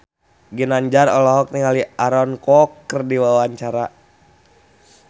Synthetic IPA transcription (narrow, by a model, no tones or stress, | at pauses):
ɡinaɲd͡ʒarɔlɔɦɔk̚niŋaliʔaɾɔnkɔkːərdiwawaɲt͡ʃaɾa